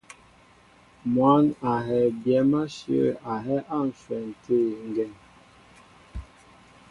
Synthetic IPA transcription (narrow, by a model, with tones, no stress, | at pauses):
mwa˨˦na˨ɦɛ˨bjɛ˨˦ma˦ʃjə̰˦a˨ɦɛ˦ʔa˦˨n̩˨swɛ˨n˨tʰe˦˨ŋ˨ɡɛ˨n